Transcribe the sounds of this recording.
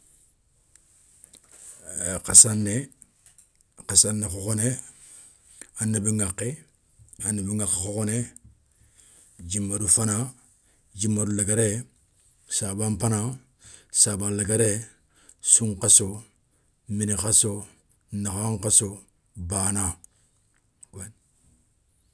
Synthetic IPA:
kasanːe | kasanːekokone | anːabiŋaqːe | anːebiŋakːexokone | d͡ʒimːadufana | d͡ʒimːadulaɡaɾe | sabampana | sabalaɡaɾe | suŋkaso | minikaso | naxaŋkaso | baːna | ken

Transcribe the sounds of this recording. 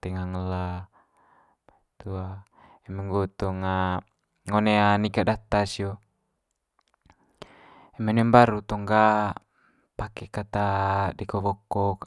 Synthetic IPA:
t̪ɛŋaŋəla | b̥ait̪ua | ɛmɛŋɡɔt̪ɔŋa | ŋɔneanikaʔdat̪asiɔ | ɛmɛnɛmbaɾut̪ɔŋɡa | pakɛkat̪adikɔbɔkːɔk

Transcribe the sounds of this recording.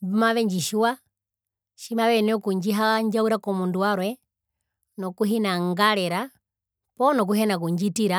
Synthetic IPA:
bumaβɛɲd͡ʒiʃuwa | ʃimaʋɛnɔkuɲd͡ʒiɦaɲd͡ʒauɾakɔmunduaɾwɛ | nɔkuɦinaŋɡalɛɾa | pɔnɔk̬uɦɛnakuɲd͡ʒitiɾa

